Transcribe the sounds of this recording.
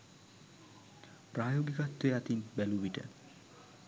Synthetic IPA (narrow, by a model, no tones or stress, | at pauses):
pɾaːjoːɡikat̪ːeat̪inbæluʋiʈə̰